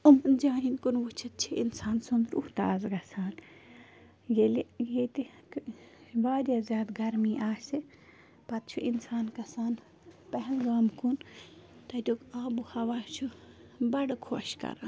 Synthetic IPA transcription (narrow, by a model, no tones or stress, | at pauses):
umɨnd͡ʒaːɦinkunʋut͡ʃʰɐt̪̚t͡ʃʰiinsaːnsund̪ɾuht̪a̰ːzɡɐsaːn | jelijet̪i | baːɾʲjaːzʲjaːd̪ɡɐɾmiːʔaːsi | pɐt̪̚t͡ʃʰuʔinsaːnkɐsaːn | pɐɦɛlɡaːmkunt̪ɐd̪ʲoːkaːbuhɐʋaːt͡ʃʰubɐɽkʰoʃkɐ̰ɾan